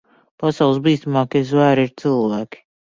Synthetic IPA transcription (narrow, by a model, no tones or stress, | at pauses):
pasawlˠsbiːst̪amaːkezvæːɾiɾt̪sɨlˠvaːki̥